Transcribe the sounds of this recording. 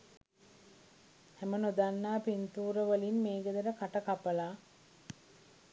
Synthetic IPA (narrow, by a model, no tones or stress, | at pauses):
hɛmənod̪anːaːpint̪uːɾəʋəlinmeːɡəd̪əɾəkaʈəkapəla